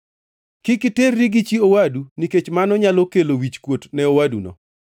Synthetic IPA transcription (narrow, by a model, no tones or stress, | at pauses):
kɪkɪterːiɡit͡ʃiowaduniket͡ʃmanɔɲalɔkelowit͡ʃkwotnɛowadunɔ̰